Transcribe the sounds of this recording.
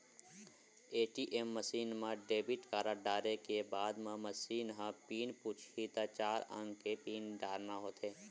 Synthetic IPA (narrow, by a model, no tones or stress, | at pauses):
eːʈiʔemːəsiːnmãɖeːbɪʈkaːɾaɖaːɾekebaːd̪mãməsiːnɦãpiːnput͡ʃʰit̪at͡ʃaːɾə̰̃ŋɡkepiːnɖaːɾnaɦoːt̪eː